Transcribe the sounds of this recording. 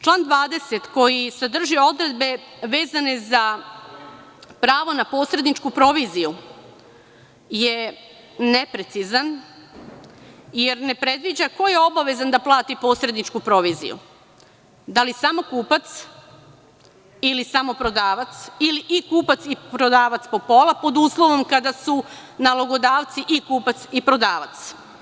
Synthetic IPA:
t͡ʃlˠaːnd̪ʋaːd̪e̞set̪ko̞jised̪r̩ʒio̞d̪ɾe̞d̪be̞ʋe̞ːzane̞za | pɾaːʋo̞napo̞sɾe̞d̪nit͡ʃkupɾo̞ʋiziju | je | ne̞pɾe̞t̪sizan | je̞ɾne̞pɾe̞d̪ʋid͡ʑako̞jeo̞baʋe̞zand̪aplˠaːt̪ipo̞sɾe̞d̪nit͡ʃkupɾo̞ʋizḭjṵ | d̪alisamo̞kuːpat̪s | ilisamo̞pɾo̞d̪aːʋat̪siliʔikuːpat̪sipɾo̞d̪aːʋat̪spo̞po̞lˠapo̞d̪uːslˠo̞ʋo̞mkad̪asu | naloɡo̞d̪aːʋt̪siʔikuːpat̪sipɾo̞d̪aːʋa̰t̪s

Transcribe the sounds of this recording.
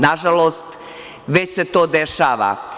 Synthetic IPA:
naʒaloːst̪ | ʋet͡ɕset̪oːd̪eʃaːʋa̰

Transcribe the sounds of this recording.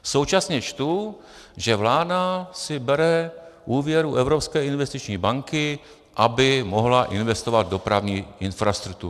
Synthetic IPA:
so̞wt͡ʃasɲɛt͡ʃt̪u | ʒɛvlaːdasɪbɛɾɛʔuːvjɛɾuʔɛvɾopskɛːɪnvɛst̪ɪt͡ʃɲiːbaŋkɪ | ʔabɪmo̞ɦlaʔɪnvɛst̪ovad̪̚do̞pɾavɲiːʔɪnfɾast̪ɾuk̚t̪u

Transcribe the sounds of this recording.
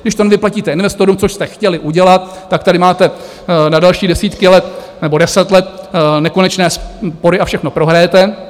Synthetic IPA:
ɡdɪʃt̪onvɪplaciːt̪ɛɪnvɛst̪oɾumt͡soʃst̪ɛxcɛlɪʔuɟɛlat̪̚ːak̚t̪adɪmaːt̪ɛ | nadalʃiːdɛsiːt̪kɪlɛt̪̚ | nɛbo̞dɛsɛt̪lɛt̪nɛko̞nɛt͡ʃnɛːspo̞ɾɪʔafʃɛxno̞pɾo̞ɦɾajɛt̪ɛ

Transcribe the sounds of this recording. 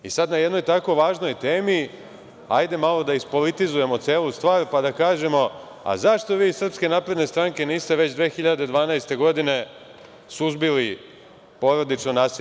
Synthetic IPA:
isad̪najed̪nojt̪ako̞ʋaːʒno̞jt̪eːmi | ajd̪e̞malˠo̞d̪aispo̞lit̪izuje̞mo̞t̪se̞ːlust̪ʋaːɾpad̪akaːʒe̞mo̞ | a̰zaʃt̪o̞ʋiːsr̩pske̞naːpɾe̞d̪ne̞st̪ɾaŋke̞niːst̪e̞ʋe̞t͡ɕd̪ʋe̞ːxiʎad̪e̞d̪ʋaːnajst̪e̞ɡo̞d̪ine̞ | suzbili | po̞ɾod̪it͡ʃnonaːsi

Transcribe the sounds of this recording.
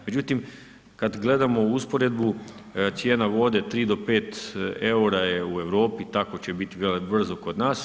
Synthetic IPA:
med͡ʑut̪im | kad̪ɡle̞d̪amo̞uspoɾe̞d̪bu | t̪sjeːnaʋo̞d̪e̞t̪ɾiːd̪o̞pe̞ːt̪e̞uɾajeue̞ʋɾo̞ːpit̪akot͡ɕe̞bit̪iʋelbr̩zoko̞d̪naːs

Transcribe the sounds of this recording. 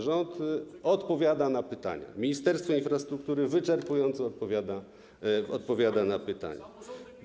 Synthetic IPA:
ʐɔnt̪ɔt̪pɔvʲjad̪anapɘt̪a̰ɲa̰mʲiɲist̪ɛɾst̪fɔinfɾast̪ɾuk̚t̪uɾɘvɘt͡ʂɛɾpujɔnt̪sɔɔt̪̚pɔvʲjad̪a | ɔ̰t̪̚pɔvʲjad̪anapɘt̪a̰ɲa̰

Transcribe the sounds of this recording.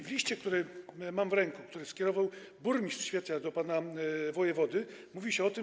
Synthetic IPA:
vlʲiɕt͡ɕɛk̚t̪uɾɛmamvɾɛŋkukt̪uɾɛskʲjɛɾɔvaw | buɾmʲist̪ɕfʲet̪ʲɲad̪ɔpanavɔjɛvɔd̪ɘmuvʲiɕɛɔt̪ɘ

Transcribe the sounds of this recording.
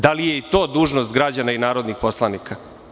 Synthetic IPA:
d̪alijeit̪o̞ːd̪uːʒnost̪ɡɾad͡ʑanainaːɾod̪nixpo̞slˠanika

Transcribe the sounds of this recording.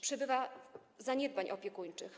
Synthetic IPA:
pʂɛbɘvazaɲɛd̪̚baɲʔɔ̰pʲjɛkuɲt͡ʂɘx

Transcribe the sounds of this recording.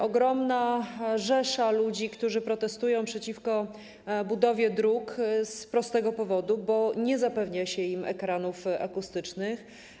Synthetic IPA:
ʔɔɡɾɔmnaʐɛʂalud͡ʑikt̪uʐɘpɾɔt̪ɛst̪ujɔ̃w̃pʂɛt͡ɕifkɔ | bud̪ɔvʲjɛd̪ɾukspɾɔst̪ɛɡɔpɔvɔd̪ubɔɲɛzapɛvɲaɕɛimɛ̰kɾanufa̰kust̪ɘt͡ʂnɘx

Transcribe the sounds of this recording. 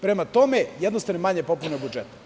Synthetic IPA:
pɾemat̪omejed̪nosaʋnomaɲepo̞punebud͡ʒet̪

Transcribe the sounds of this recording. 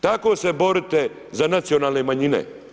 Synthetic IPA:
t̪ako̞ːse̞bo̞ɾit̪e | zanat̪sio̞naːlˠnemaɲinḛ

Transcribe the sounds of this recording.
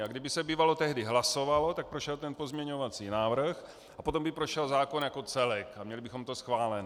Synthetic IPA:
aɡdɪbɪsɛbiːvalo̞t̪ɛɦdɪɦlaso̞valo̞t̪ak̚pɾoʃɛlt̪ɛnpo̞zmɲɛɲo̞vat͡siːnaːvr̩x | apo̞t̪o̞mbɪpɾoʃɛlzaːko̞njako̞t͡sɛlɛkamɲɛlɪbɪxomt̪o̞sxvaːlɛn

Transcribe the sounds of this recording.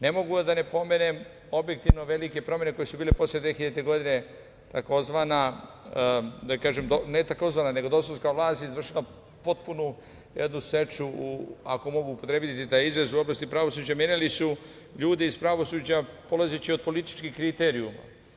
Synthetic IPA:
ne̞mo̞ɡud̪ane̞po̞mene̞m | o̞bjek̚t̪iʋno̞ʋelike̞pɾo̞mje̞neko̞jesubiːlepo̞sljed̪ʋexiʎat̪eɡo̞d̪ine̞ | t̪ako̞zʋana | d̪akaːʒemd̪onet̪ako̞zʋaːnane̞ɡod̪o̞soskaʋlˠaːst̪jezʋr̩ʃila | po̞t̪̚punu | jed̪nuse̞t͡ʃuuako̞mo̞ɡuːpot̪ɾebit̪it̪aːjizɾezuoblast̪ipɾaʋo̞suːd͡ʑamenalisu | ʎuːd̪iizpɾaʋo̞suːd͡ʑapo̞lazet͡ɕiod̪̚po̞lit̪i̥t͡ʃkixkɾit̪eɾiuma̰

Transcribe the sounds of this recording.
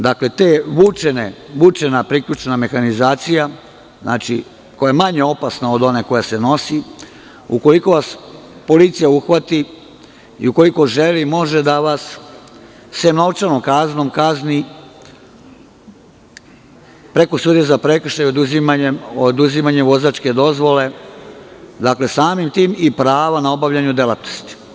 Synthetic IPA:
d̪akle̞t̪eʋut͡ʃeneʋut͡ʃe̞napɾikʎut͡ʃename̞xanizaːt̪sija | zna̰ːt͡ʃḭ | ko̞jajemaɲeo̞pasnaod̪o̞neko̞jaseno̞si | uko̞liko̞ʋas | po̞lit̪sijauxʋat̪i | ḭuko̞liko̞ʒelimo̞ʒed̪aʋasː | emnoʋt͡ʃanomkazno̞mkazni | pɾe̞ko̞suːd̪iezapɾe̞kr̩ʃajod̪uzimaod̪uzimaɲeʋo̞zat͡ʃke̞d̪o̞zʋo̞le̞ | d̪akle̞saːmimt̪iːmipɾaːʋanao̞baʋʎaɲud̪e̞lat̪nost̪i̥

